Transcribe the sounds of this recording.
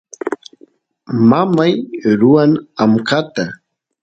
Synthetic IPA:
mamajɾʊanamkat̪a

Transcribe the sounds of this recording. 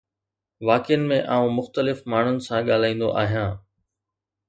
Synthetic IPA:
ʋaːkɪjənɪ̆mẽʔaːũmʊxt̪əlɪfmaːɳ̤ʊnɪ̆sãɠaːl̤aːĩːn̆d̪o̰ʔa̰ːɦijãː

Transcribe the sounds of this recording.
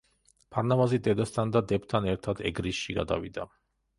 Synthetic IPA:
pʰaɾnavazid̪ɛd̪ast̪ʰand̪ad̪ɛp̚t̪ʰanɛɾt̪ʰad̪ɛ̰ɡɾisʃiɡa̰d̪a̰vid̪a

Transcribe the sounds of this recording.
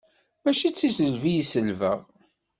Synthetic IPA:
mæʃit͡sːisəlvijisəlvə̰ʁ

